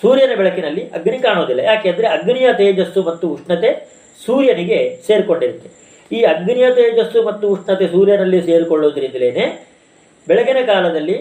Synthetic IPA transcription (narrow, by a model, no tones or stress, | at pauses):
suːɾjɐnɐbɛɭɐkinɐlːiʔɐɡnikaːɳoːd̪ilːɐ̰jaːkeːnd̪ɐɾeɐɡnijɐt̪eːd͡ʒɐsːumɐt̪ːuuʂɳɐt̪e̞ | suːɾjɐniɡe̞se̞ːɾkoɳɖiɾut̪ːe | iːɐɡnijɐt̪eːd͡ʒɐsumɐt̪ːuuʂɳɐt̪e̞suːɾjɐnɐlːise̞ːɾkoɭːoːd̪ɐɾit̪ileːne | bɛɭɐkɐnɐkaːlɐd̪ɐlːi